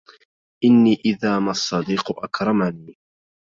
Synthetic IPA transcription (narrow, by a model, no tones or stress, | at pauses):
ʔɪnːiːʔɪðaːmasˤːɑd̪iːqʊʔa̰kɾˤɑmaniː